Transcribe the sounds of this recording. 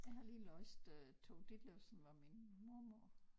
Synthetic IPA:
jɑ̈ɪɦhɑ̈liːlɔsd̥øt͡sʰoʊd̥id̥lebsn̩ʋɑ̈minmuɐ̰moɐ̰

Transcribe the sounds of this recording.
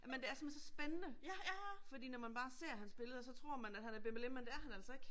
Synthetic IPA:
jmend̥e̝æɐsemensɒ̽sb̥enənə | fɒ̽d̥ḭːnɒmænb̥ɑ̈ːse̝ɐ̰ɦænsb̥e̝ləð̞ˠsɒ̽t͡sʰʁo̝ɐ̰mænæd̥hænæɐb̥emelemːend̥e̝æɐɦænæl̰sɒeɡ̥

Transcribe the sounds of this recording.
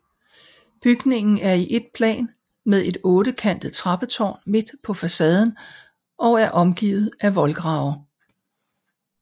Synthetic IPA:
b̥yɡ̥ne̝ŋn̩æɐiʔe̝d̥̚pʰlɛ̰ːn | meðˠe̝d̥ɔ̽ːd̥əkʰæn̰d̥ð̩ˠt͡sʰʁɑ̈b̥ət͡sʰɒ̰ːnme̝d̥pʰɒ̽fæsɛːð̞ˠn̩ | ʔɒ̽ʊæɐʔɒ̽mɡ̥ḭːʊð̞̩ˠæʋɒ̽lɡ̥ʁɑ̈ʊɐ

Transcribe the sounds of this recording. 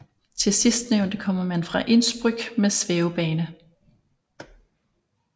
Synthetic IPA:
t͡sʰe̝sisd̥neʊnd̥əkʰɒ̽m̰ɐmænfʁɑ̈ʔe̝nsb̥ʁyɡ̥mesʋeʊb̥ɛːnə

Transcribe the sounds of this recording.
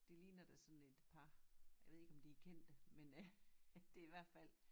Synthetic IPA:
d̥ilḭːnɐd̥æsɒ̽nn̩e̝d̥pʰɑ̈ja̰ɪʋe̝ðˠe̝ɡ̥ɒ̽md̥ikʰen̰d̥əmen | d̥e̝iʋæɐ̰d̥fæl̰

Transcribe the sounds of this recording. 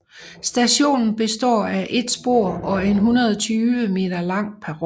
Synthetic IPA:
sd̥æɕo̝̰ːnn̩b̥e̝sd̥ɒ̰ːæʔe̝d̥sb̥o̝ɐ̰ɒ̽e̝nɦunɐð̞ˠɒt͡sʰyːʋəme̝̰ːd̥ɐlɑ̈ŋ̰pʰæ

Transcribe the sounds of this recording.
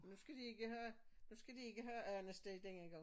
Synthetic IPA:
nusɡ̥æd̥ie̝ɡ̥əhøːnusɡ̥æd̥ie̝ɡ̥əɦøːʔœnəsd̥eɪd̥eneɐɡ̥ɑ

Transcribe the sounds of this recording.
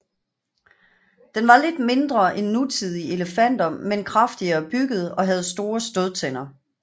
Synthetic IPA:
d̥enʋɑ̈le̝d̥me̝nd̥ʁɐʔenːut͡sʰið̞ˠie̝ləfæn̰d̥ɐmenkʰʁɑ̈fd̥iɐːb̥yɡ̥əð̞̩ˠɒ̽ɦæð̞̩ˠsd̥o̝ːɐsd̥oð̞ˠt͡sʰen̰ɐ

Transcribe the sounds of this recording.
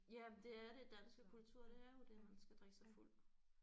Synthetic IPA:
jæd̥e̝æɐɾe̝d̥ænsɡ̥əkʰult͡sʰuɐ̰ɾ̥e̝æɐjo̝d̥emænsɡ̥æd̥ʁi̥sɑ̈ɪful̰

